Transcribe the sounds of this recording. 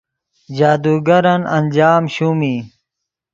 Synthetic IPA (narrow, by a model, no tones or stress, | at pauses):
d͡ʑaːd̪uːɡɐɾɐnɐnʲd͡ʑaːmɕumi